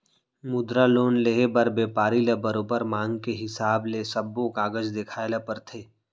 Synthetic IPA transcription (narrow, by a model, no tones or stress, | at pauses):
mʊd̪ɾaloːnleːɦebəɾbeːpaːɾilebəɾoːbəɾmãːŋɡkeɦɪsaːblesɐbːõkaːɡəd͡ʒd̪eːkʰaːelapəɾt̪ʰeː